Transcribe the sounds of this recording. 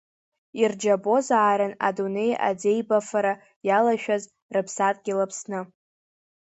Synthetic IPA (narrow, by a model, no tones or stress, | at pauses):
ird͡ʒabo̞zaʕaɾɨna̰dune̞jʔa̰d͡ze̞jbafaɾa | jalaʃᶣaz | rɨpʰsatʼɡʲilapʰsnɨ